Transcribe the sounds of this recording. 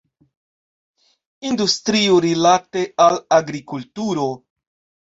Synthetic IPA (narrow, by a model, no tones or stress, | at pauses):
industɾiuɾilate̞alaɡɾikultuɾo̞